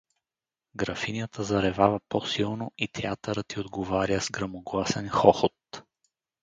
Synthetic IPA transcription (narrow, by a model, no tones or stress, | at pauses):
ɡɾɐfinʲjət̪ʰəzɐɾɛvavɐposilˠnoit̪ʰɛat̪əɾət̪iod̪ɡovaɾʲjəzɡɾɐmoɡlˠasɛnxɔxot̪